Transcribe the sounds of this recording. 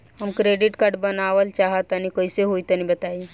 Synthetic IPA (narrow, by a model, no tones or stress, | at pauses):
ɦəmkɾeɖiʈkəɾɖbənaʋəlt͡ʃaɦət̪ənikəjseɦojt̪ənibət̪ai